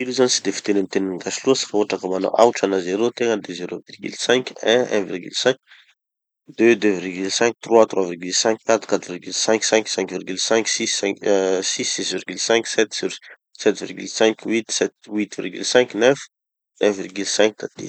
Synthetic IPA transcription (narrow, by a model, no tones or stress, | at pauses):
iɾuzanisid̪efi̥t̪enənit̪eninɡaʃilusi̥fauaʈ͡ʂakəmana̰ʔawʈ͡ʂanazeɾot̪eŋəd̪ezeɾovirɡy̰lsɛ̃ŋkɛ̃ɛ̰̃virɡy̰lsɛ̃kʲ | d̪̥ød̪øvirɡylsɛ̃ŋk̚t̪rwat̪rwavirɡylsɛ̃ŋkʲkːat̪ɾu̥kat̪ɾvirɡylsɛ̃ŋksɛ̃ŋksɛ̃ŋkvirɡylsɛ̃ŋksisɛ̃sisːisvirɡylsɛ̃ŋksɛt̪ɾ | sɛt̪vḭrɡy̰lsɛ̃ŋkwit̪sɛt̪wit̪vḭrɡy̰lsɛ̃ŋknɛf | ɛ̃virɡylsɛ̃ŋk̚d̪̥ad̪̥ḛ